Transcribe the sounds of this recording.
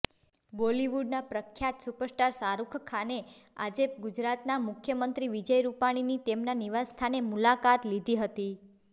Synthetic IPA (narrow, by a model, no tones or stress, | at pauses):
boliʋuɖnapɾəkʰːjat̪supəɾsʈaɾsaɾukʰkʰanea̰d͡ʒeɡud͡ʒɾat̪namʊkʰjəmənt̪ɾiʋid͡ʒəjɾupaɽ̃init̪emnaniʋast̪ʰanemulakat̪lid̪ʱiɦət̪i